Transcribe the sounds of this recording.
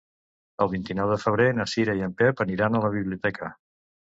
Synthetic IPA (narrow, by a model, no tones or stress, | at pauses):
əlˠβint̪inɔwðəfəβ̞ɾenəsiɾəiəmpɛpəniɾanələβ̞iβliut̪ɛkʰə